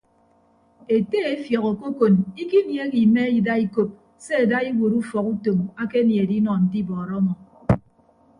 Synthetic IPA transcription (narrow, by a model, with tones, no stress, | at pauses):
e˨te˦e˦fjɔ˨ɣɔ˨ko˦ko˨ni˦ki˦nje˨˦ɣi˨me˦i˦da˦i˦ko˨p̚ | se˦e˨da˦i˦wo˨ɾu˦fɔ˨ku˦to˨ma˦ke˦nje˨di˦nɔ˨n̩˨ti˦bɔː˨ɾɔ˦mɔ˨